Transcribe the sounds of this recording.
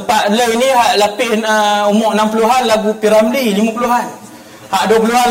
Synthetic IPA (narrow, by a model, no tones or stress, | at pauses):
paʔləwiniɦaʔlapɪhəumɔʔnampuluɦanlaɡupiɾamlilimãpuluɦan | haʔduəpuluɦan